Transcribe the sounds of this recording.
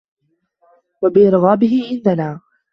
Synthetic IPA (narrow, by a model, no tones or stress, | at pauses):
wabɪʔɪɾɣaːbɪɦɪʕɪnd̪anaː